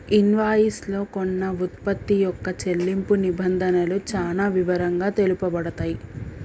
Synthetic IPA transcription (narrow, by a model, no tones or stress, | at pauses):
inʋaːjislo̞ːkonːɐut̪̚pɐt̪ːijɔkːɐt͡ʃe̞lːimpunibɐnd̪ʱɐnɐlut͡ʃaːnaːʋiʋɐɾɐŋɡaːt̪e̞lupɐbɐɽɐt̪aːji